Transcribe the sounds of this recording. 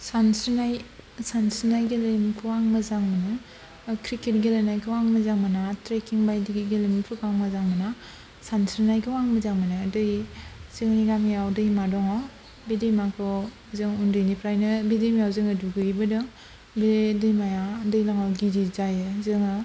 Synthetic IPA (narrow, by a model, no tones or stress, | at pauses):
sansɯnajsansɯnajɡilemkʰɯwaŋmɯzaŋmanɯ | kʰɾiket̚ɡelenajkʰɯwaŋmɯzaŋmanatɾekiŋbajdiɡiɡelempʰɯkaŋmazaŋmana | sansɾnajkʰɯwaŋmɯzaŋmanɯdɯjzɯŋniɡamijawdɯjmadɔŋaw | bedɯjmakʰɯ | zɯŋundɯjnipʰɾajnɯbedɯjmajawzɯŋɯduɡɯibɯdɯŋ | bedɯjmajadɯjlaŋawɡidizajɯzɯŋɯ